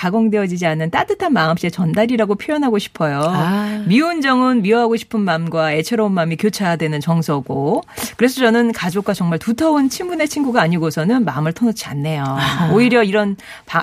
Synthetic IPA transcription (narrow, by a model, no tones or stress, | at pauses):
kaɡʌŋdeʌd͡ʑid͡ʑianːɯnt͈at͈ɯtʰanmaɯmɕ͈et͡ɕʌndaɾiɾaɡopʰjojʌnɦaɡoɕʰi̥pʰʌjomiund͡ʑʌŋɯnmiʌɦaɡoɕʰi̥pʰɯnmamɡwae̞t͡ɕʰe̞ɾounmamikjot͡ɕʰajadwe̞nɯnt͡ɕʌŋsʰʌɡokɯɾe̞s̬ʰʌt͡ɕʌnɯnkad͡ʑok̚k͈wat͡ɕʌŋmaɭtutʰʌont͡ɕʰimbune̞t͡ɕʰinɡuɡaːɲiɡosʰʌnɯnmaɯmɯɭtʰʌnʌt͡ɕʰia̰nːe̞jooiɾjʌiɾʌn | pa